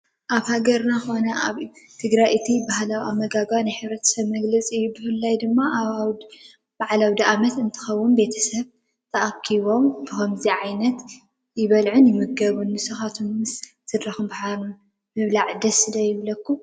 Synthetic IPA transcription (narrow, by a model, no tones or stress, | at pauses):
ʔaβhaɡɐɾnaxo̞nɐaβt̪ʰɨɡɾajɨt̪ʰibahlawiʔamːɐɡaɡanajħɨβɾɐt̪ʰɐ̥sɐβmɐɡlɐt͡sʼiɨjːubɨfɨlːajd̪ɨmːaw | b̥aʕalawd̪iʔamɐt̪ɨnt̪ʰɨ̥xɐwːunbe̞t̪ʰɐsɐβ | t̪ʰɐʔakʰːiβo̞mbɨhomziʕajnɐt̪ | jɪβɐlʕʊnjɪmɨɡɐβunbɨsɨxat̪ʰunmɨs | t̪ʰɨd̪ɾɐxɨmbaħaɾun | mɨβlaʕd̪ɐsɨd̪ɐjɪβlɐkːu